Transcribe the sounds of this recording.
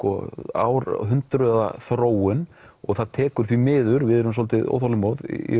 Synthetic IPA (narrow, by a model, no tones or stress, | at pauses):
kɔa̰wɾɦʏnt̪ɾœða̰θɾoːwʏn | ɔɣθaðt̪ʰɛːkʏɾ̥θvimɪːðʏɾvɪðɛɾʏms̬oːlt̪ɪʔo̰wθawlɪmoð̰ḭ